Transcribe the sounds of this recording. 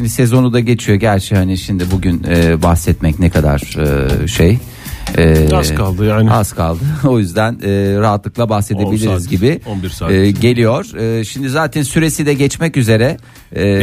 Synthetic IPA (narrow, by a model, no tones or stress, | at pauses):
ʃimd̪ise̞zo̞nud̪aɟe̞t͡ʃʰijo̞ɟæɾt͡ʃʰɛhaniʃimd̪ibuɟynɛbaxsɛt̪mɛcnekʰad̪a̰ɾ̥ɯ̰ʃej | ɛːakalˠd̪ɯjaːnaskʰalˠd̪ɯo̞jyzd̪ænɛːɾaɦat̪lˠɯklˠabaxsed̪e̞bilʲiɾizɟibɪbiɾaɟe̞lʲijo̞ɾ̥ːʃimd̪izaːt̪ʰɛnsyɾe̞sid̪ɛɟɛt͡ʃmɛcyze̞ɾɛː